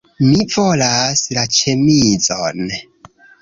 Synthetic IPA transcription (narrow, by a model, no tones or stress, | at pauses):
mivolaslat͡ʃemid͡zon